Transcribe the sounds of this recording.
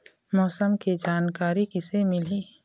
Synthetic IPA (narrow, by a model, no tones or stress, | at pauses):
mɔːsəmked͡ʒaːnkaːɾikɪsemɪliː